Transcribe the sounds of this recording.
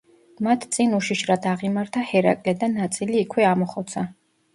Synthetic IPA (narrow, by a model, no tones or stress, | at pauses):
mat̪ʰt̪sʼinuʃiʃɾad̪ʰaʁimaɾt̪ʰahɛɾa̰kʼlɛd̪anːat̪sʼiliːkʰwɛamɔχɔt̪sʰa